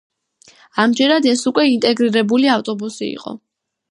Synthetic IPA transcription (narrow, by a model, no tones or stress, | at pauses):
amd͡ʒɛɾad̪ɛsukʼwɛint̪ʼɛɡɾiɾɛbuliaft̪ʼɔbusiḭqʼɔ̰